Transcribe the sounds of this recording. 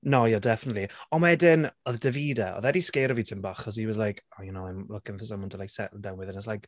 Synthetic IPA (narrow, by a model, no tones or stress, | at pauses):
nojadɛfənətliɔnwɛdɪnɔðd̥əviːdaɔ̰ðɛdiskejɾəvitʰɪmbaχɔs̬iwɔzlajkʰɔjɛnoamlʊkɪnfɔs̬əmɔndɔlajsɛʔl̩ˠdawnwɪðənɔslajk